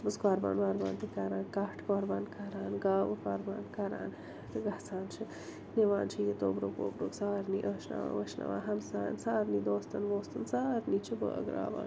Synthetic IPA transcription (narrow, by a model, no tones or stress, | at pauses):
bɐskaːɾba̰ːnʋaːɾbaːnt̪ikaːɾaːnkaːʈkoːɾbaːnkaːɾaːnɡaːʋɐkaːɾbaːnkaːɾa̰ːn | t̪ɨɡaːsaːnt͡ʃʰi | neʋaːnt͡ʃʰijet̪oːbɾoːkoːbɾoːksaːɾniːʔəːʃna̰ʋa̰ːʋəʃna̰ʋa̰ːɦɐmsaːnsaːɾnid̪oːst̪ɐnʋoːst̪ɐnsaːɾniːt͡ʃʰibə̰ɡɾa̰ːba̰ːn